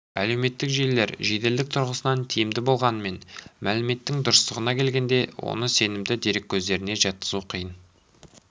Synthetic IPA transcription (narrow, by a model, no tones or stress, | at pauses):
æle̞wme̞t̪ːɪkʒejlːe̞ɾʒe̞t̪e̞ld̪ɪk̚t̪ʰʊɾʁəsənɑnt̪ʰijɪmd̪ɪbo̞lˠʁɑnəme̞nmælɪme̞t̪ːɪŋd̪ʊɾəst̪əʁənɑkʲʰe̞lɡʲe̞nd̪e̞wo̞̰nəse̞nɪmd̪ɪd̪eɾekʲʰːɵzd̪e̞ɾɪne̞ʒɑt̪̚qə̥zuqʰijən